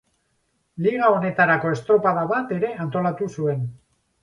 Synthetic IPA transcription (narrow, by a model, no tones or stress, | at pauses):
liɣao̞ne̞t̪aɾako̞e̞st̪ɾo̞paðaβat̪e̞ɾe̞ant̪o̞lat̪usue̞n